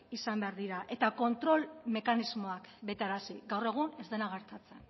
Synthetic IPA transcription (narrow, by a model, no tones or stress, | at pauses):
isambe̞aɾðiɾaʔe̞t̪ako̞nt̪ɾo̞lme̞kanizmo̞akbe̞t̪eeɾasiɡawre̞ɣ̞une̞zðe̞naɣe̞ɾt̪at͡se̞n